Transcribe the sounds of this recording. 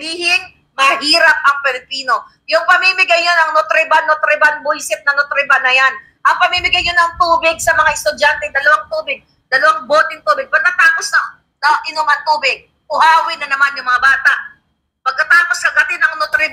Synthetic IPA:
biːhɪŋ | mɐhiːɾɐp̚ʔɐŋpɛlɪpiːno̞ | jʊŋpɐmimɪɡajɲonɐŋnot̪ɾɪbanot̪ɾɪbanbojsɪp̚nɐnʊt̪ɾɪbanɐjan | ʔɐŋpɐmimɪɡajɲonɐŋt̪uːbɪɡ̚sɐmɐŋaʔɪst̪ʊd͡ʒant̪ɛŋd̪ɐlɐwaŋt̪uːbɪɡ̚ | d̪̥ɐlɐwaŋboːt̪ɪŋt̪uːbɪɡ̚pɐɡ̚kɐt̪aːposnɐŋ | nɐʔɪnʊmɐnt̪uːbɪɡ̚ | pʊhaːwɪnɐnɐmanjʊŋmɐŋabaːt̪aʔ | pɐɡ̚kɐt̪aːposkɐɡɐt̪ɪnɐŋnʊt̪ɾɪb

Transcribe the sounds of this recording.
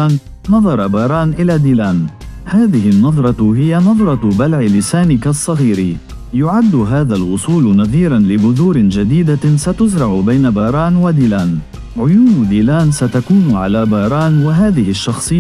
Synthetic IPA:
n | nɑðˤɑɾˤbɑːɾˤɑːnʔɪlaːd̪iːlaːnhaːðɪhɪnːɑðˤɾˤɑhɪjanɑðˤɾˤɑbalʕɪlɪsaːnɪkasˤːɑɣiːɾi | jʊʕad̪ːʊɦaːðalwʊsˤuːlnɑðˤiːɾanlɪbʊðuːɾɪnd͡ʒad̪iːd̪asat̪ʊzɾˤɑʕʊbajnabɑːɾˤɑːnwad̪iːlaːn | ʕʊjuːnd̪iːlaːnsat̪akuːnʕa̰laːbɑːɾˤɑːnwaɦaːðɪhɪʃːɑxsˤɨː

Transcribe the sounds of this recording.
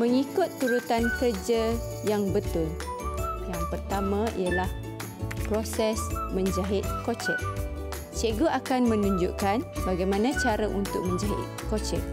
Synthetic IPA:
məŋikʊt̪ːuɾut̪ankərd͡ʒa | jaŋbət̪ʊl | jaŋpərt̪amãḭjalah | pɾosɛsmə̃ɲd͡ʒaɦɪt̪̚kot͡ʃəʔ̚ | t͡ʃeɡoakanmə̃nũɲd͡ʒuʔkanbaɡajmãnãt͡ʃaɾaʔunt̪ʊk̚mə̃ɲd͡ʒaɦɪ̰t̪̚kot͡ʃəʔ̚

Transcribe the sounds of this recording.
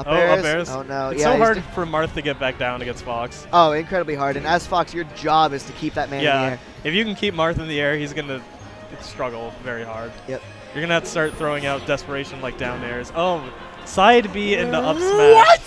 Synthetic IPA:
ʌoʊɛɹʌzɛɹz̥ooʊnoʊɨjsæoʊɦɑɹdd̥fə˞mɑɹθtʰɨɡɛt̚b̥æk̚d̥ãʊ̃nɨɡɛ̃nstfɑksoʊɪ̃nkʰɹ̥ɛɾəbliɦɑɹɾɨ̃nɨz̥fɑksjə˞d͡ʒɑbɨz̥tʰɨkʰip̚ðɨt̚mæ̃jnæiɛɹ | ɨfjɨkn̩kʰip̚mɑɹθɨ̃nðiɛɹhizɡʌnɨ | stɹ̥ʌɡl̩ˠvɛɹihɑɹd̥̚jɛp̚ | jə˞ɡʌnɨstɑɹt̪̚θɹoʊɪ̃ŋaʊt̚d̥ɛspə˞eɪʃɨ̃n̩laɪk̚d̥ãʊ̃nɛɹzoʊ | saɪdbiɪ̃nðiʌpspɛʌt̚

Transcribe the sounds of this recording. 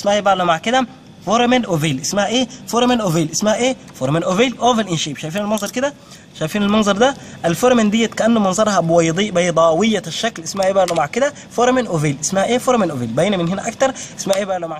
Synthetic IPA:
ʔsmæhebæʕlumaʕkɪd̪æ | foɾˤmenʔoveːlʔɪsmæhæʔeːfoɾmenʔoveːlʔɪsmæhæʔeː | foɾmenʔoviːlʔovelʔinʃiːbʃæjfiːnælmɑnzˤɑɾˤked̪æ | ʃæjfiːnalmɑnzˤɑɾˤd̪æʔælfoɾˤmend̪ɪjːæt̪kæʔænːumɑnzˤɑɾˤhɑbwɑjd̪ˤiːʔbejd̪ˤɑːwijːæʃːæklʔɪsmæhæʔeːbæʕlumaʕkɪd̪æ | foɾˤmenʔoveːlʔɪsmæhæʔeːfoɾˤmenʔoviːlbænæmɪnhɪnæʔækt̪ɑɾˤʔɪsmæhæʔeːbæʕlumaʕ

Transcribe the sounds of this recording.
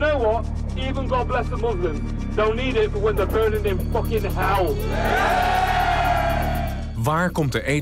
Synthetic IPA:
noʊwɔt̚ | iːvə̃nɡoblɛsət̚mʊzlɪ̃m | d̥õʊ̃nːiːɾɪt̚b̥ʌt̚wɛ̃ndəbɜ̃˞nɪ̃ŋɨ̃mfɔkɪ̃nəɦaʊ | ʋaːɹkɔmt̚əʔe

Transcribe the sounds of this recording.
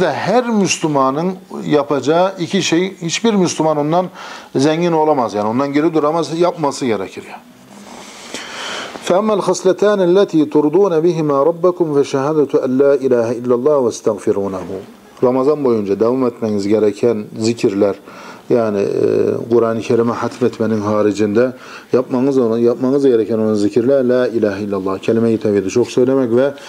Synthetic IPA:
d̪ɛhæɾmyslumɑnɯnjɑpʰɑd͡ʒɑʔicʰiʃejhit͡ʃbiɾmyslɪmɑnond̪ɑnzæŋːinolˠɑmɑzjaːnɪond̪ɑnɟeɾid̪uɾɑmɑzjɑpmɑsɯɟɛɾɛcʰiɾjan | fææmːælxɑslæt̪ʰaːnælːæt̪ʰiːt̪ʰuɾd̪ˤuːnabɪɦimaːɾˤɑbːakʊmfæʃaɦaːd̪at̪ʰænlaːʔilaːhæilːalˠˤːɑːhwast̪ʰaɣfiɾuːnaɦu | ɾˤɑmɑzɑnbojund͡ʒɑd̪avɑːmet̪mæŋizɡɛɾɛkʰænzɪkʲʰiɾlæɾjaʕnɪ̰qʊɾʔɑːnikʰæɾimɪħat̪ʰmet̪ʰmænɪŋɦɑːɾɪd͡ʒind̪æ | jɑpmɑŋzjɑpmɑŋɯzɡɛɾækʰænonɑnzɪkʰiɾlæɾlaːilaːɦailːalˤˠːɑːhkʰælɪmæjit̪ʰæbid̪ɪt͡ʃʰoχsøjlæmɛkʲvɛ

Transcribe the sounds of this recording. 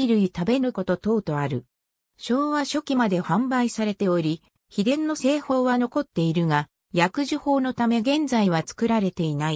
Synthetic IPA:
iɾɯ̟it̪abe̞nɯ̟ko̞t̪o̞t̪o̞ːt̪o̞aɾɯ̟ | ɕo̞ːβaɕo̞kʲimad̪e̞hãmbaisaɾe̞t̪e̞o̞ɾʲi | çid̪ẽ̞nːo̞se̞ːho̞ːβano̞ko̞t̪ːe̞iɾɯ̟ŋa | jakɯ̟ʑiho̞ːno̞t̪ame̞ɡẽ̞nd͡zaiβ̞at͡sɨ̥kɯ̟ɾaɾe̞t̪e̞inai

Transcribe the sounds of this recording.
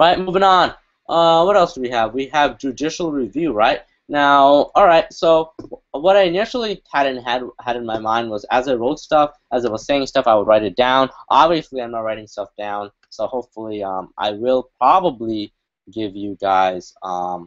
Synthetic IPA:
ɹaɪt̚muvɪ̃ŋə̃n | ʔʌwʌɾɛlˠsd̥ɨwiɨvwiɨvd͡ʒɨdɪʃl̩ˠɹivjʉɹaɪt̚ | naʊɔlˠɹaɪt̚soʊwʌɾaɪɨnɪʃl̩ˠihæɾ̃ⁿn̩ɦɨd̚hɨɾɨ̃nmaɪmãɪ̃nd̚wʌzɨzaɪɹoʊtstʌf | ɨzɨt̚wʌz̥seɪɪ̃ŋstʌfaɪwəd̚ɹaɪɾɨt̚d̥ãʊ̃nʔɑbviɨsliãɪ̃mnət̚ɹaɪɾɪ̃ŋstʌfd̥ãʊ̃n | soʊhoʊpfl̩ˠiʌ̰̃mʔa̰ɪwɪlˠpʰɹ̥ɑbəbli | ɡɪvjɨɡaɪz̥ʌ̃m

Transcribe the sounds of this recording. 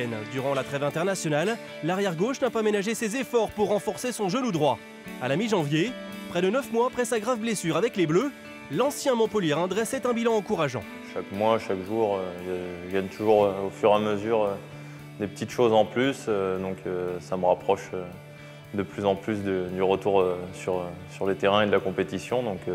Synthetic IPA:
ɛnd̪yʁɑ̃lat̪χɛvɛ̃t̪ɛʁnasjɔnalː | aʁjɛʁɡoʃnapamenaʒesezefɔʁpuʁːɑ̃fɔʁsesɔ̃ʒənud̪ʁwa | alamiʒɑ̃vjepχɛd̪ənœfmwaːpχɛsaɡʁavblesyʁavɛkleblø | lɑ̃sjɛ̃mɔ̃pəljɛʁɛ̃d̪ʁɛsɛt̪ɛ̃bilɑ̃ɑ̃kuʁaʒɑ̰̃ | ʃakmwaʃakʒuʁøʒəɡaɲt̪ʰuʒuʁøofyʁeaməzyʁø | d̪epət̪it̪ʃozɑ̃plysd̪ɔ̃kʰøsaməʁapχɔʃø | d̪əplyzɑ̃plys̬d̪yd̪yʁət̪uʁøsyʁøsyʁlət̪eʁɛ̃ed̪əlakɔ̃pet̪isjɔ̃d̪ɔ̃k

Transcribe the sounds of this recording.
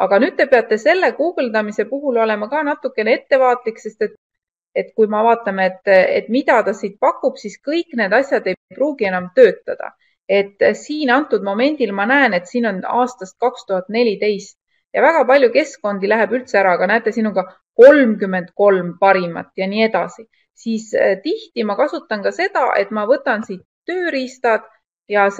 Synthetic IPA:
ʔɑɡ̥ɑnyːd̪̥t̪e̞pe̞ɑt̪ːˑe̞se̞lːe̞kuːɡ̥ld̪ɑmise̞puɦulo̞le̞mɑkɑːnɑt̪ːˑukːˑe̞nee̞t̪ːe̞vɑːt̪likse̞st̪e̞t̪ | e̞t̪kujmɑvɑːt̪ˑːɑmeet̪ːet̪mid̪̥ɑt̪ɑsiːt̪̚pɑkːˑub̥siskɤjkˑne̞ːd̪̥ɑsʲjɑd̪e̞jpruːɡie̞nɑmt̪øːt̪ːɑd̪̥ɑ̰ | e̞t̪ːsiːnɑnt̪ːˑud̪mo̞me̞nʲd̪̥ilmɑnæene̞t̪siːno̞nɑ̰ːst̪ɑst̪̚kɑkst̪uɦɑt̪ːˑne̞lʲit̪e̞jst̪ | jɑvæɡ̥ɑpɑlʲjuke̞sko̞nd̪ilæɦe̞bylt̪seæɾɑɡ̥ɑnæːt̪ːˑe̞sinuɡ̥ɑ | ko̞lmkymːe̞nd̪ko̞lmpɑɾimɑ̰t̪ːˑjɑniːe̞d̪ɑsi | siːst̪iht̪imɑkɑsut̪ːˑɑnkɑse̞d̪ɑ̰ʔe̞t̪ˑmɑvɤt̪ːˑɑnsiːt̪ːøːɾist̪ɑd̪̥ | jɑ

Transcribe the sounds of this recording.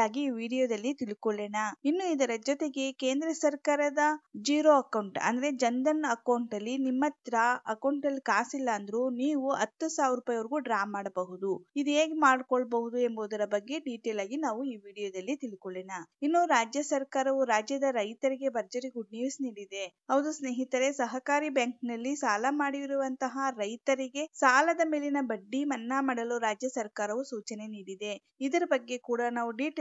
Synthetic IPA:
aːɡiːʋiːɽijod̪ɐlːit̪ilkoɭɛːnɐinːuid̪ɐɾɐd͡ʒɔt̪e̞ɡe̞keːnd̪ɾɐsɐɾkaːɾɐd̪ɐd͡ʒiːɾoɐkɐwɳʈɐ̰nd̪ɐɾe̞d͡ʒɐnd̪ɐnɐkɐwɳʈɐlːinimːɐt̪ɾaɐkɐwɳʈɐlːikaːsilːɐːnd̪ɐɾuniːʋuɐt̪ːusaːʋiɾupaːjɐʋɐɾiɡuːɖɾaːmːaːɽɐbɐɦud̪uid̪ueːɡemaːɖkɔɭbɐɦud̪ue̞mboːd̪ɐɾɐbɐɡːe̞ɖiːʈeːlaːɡinaːʋuiːʋiːɽijoːd̪ɐlːit̪ilkoɭɛnɐinːuɾaːd͡ʒjɐsɐɾkaːɾɐʋuɾaːd͡ʒjɐd̪ɐɾɐjt̪ɐɾiɡe̞bɐɾd͡ʒɐɾiɡuɖniːʋsniːɽid̪e̞ɦɐwd̪usne̞ːɦit̪ɐɾe̞sɐɦɐkaːɾibjaːŋknɐlːisaːlɐmaːɽiʋiɾuʋɐnt̪ɐɦɐɾɐjt̪ɐɾiɡe̞saːlɐd̪ɐme̞ːlinɐbɐɖːimɐnːaːmɐɽɐluɾaːd͡ʒjɐsɐɾkaːɾɐʋusuːt͡ʃɐne̞niːɽid̪e̞ | id̪ɐɾɐbɐɡːe̞kuːɽɐnaːʋuɖiːʈ

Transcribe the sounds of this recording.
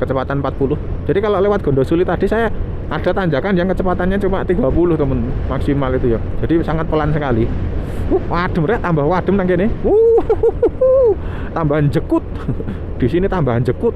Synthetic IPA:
kət͡ʃəpat̪anmpat̪̚pulʊhd͡ʒʒ̥adikaloʔlewat̪̚ɡ̥ɔ̤ndɔsulɪt̪ːad̥i̤saja | ad̥a̤t̪aɲd͡ʒakanjaŋkət͡ʃəpat̪anɲat͡ʃumaʔt̪iɡapulʊht̪əmənmaksimalit̪uja | d͡ʒ̥adisaŋat̪̚pəlansəkali | uhwaɖ̥ə̤mrɛʔt̪ambahwad̥ə̤mnaŋkenɪu | t̪ambaɦand͡ʒəkʊt̪̚ | d̪̥isinit̪ambaɦand͡ʒəkʊt̪̚

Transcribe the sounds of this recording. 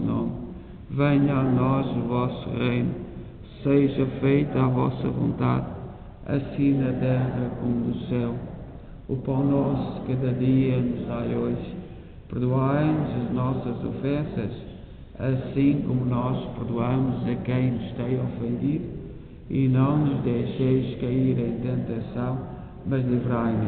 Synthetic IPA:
no̰m | vẽj̃anɔzuvɔsuʁejnu | seʒɐfejt̪uavɔ̰sɐ̰võ̰nt̪a̰ð | ɐ̰sĩnɐt̪ɛʁɐkomud̪usɛw | upɐ̃wnɔskɐðɐðiɐnuzajoʒ | pɨɾðuajnuzɐʒnɔsɐzo̰fɛ̃sɐ̰ʃ | ɐsĩkomunɔʃpɨɾðuɐmuzɐkɐ̃j̃nuʃt̪ẽj̃ɔfẽnd̪iðu | ḭnɐ̃w̃nuʒd̪ejʃejʃkɐiɾɐ̃j̃t̪ẽnt̪ɐsɐ̃w̃ | mɐʒlɨvɾajnu

